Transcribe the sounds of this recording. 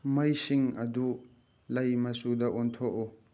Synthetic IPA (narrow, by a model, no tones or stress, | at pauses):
mɐjsiŋɐdu | lɐjmɐsudɐʔɔntʰɔʔo